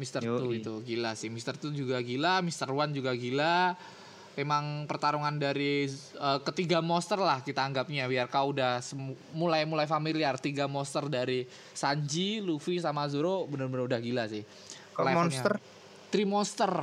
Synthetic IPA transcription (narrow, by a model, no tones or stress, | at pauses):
mist̪ərt̪uɡit̪uɡilasɪhmist̪ərt̪ud͡ʒuɡaɡilamist̪ərwand͡ʒuɡaɡila | memaŋpərt̪aɾuŋandaɾiəːkət̪iɡamɔst̪ərlahkit̪aːŋɡap̚ɲabiarkaudahsə | mulajmulajfamiliart̪iɡamɔst̪ərdaɾi | saɲd͡ʒilufisamas̬uɾobənərbənɾəudahɡilasɪh | laɲaə | t̪ɾimɔnst̪ər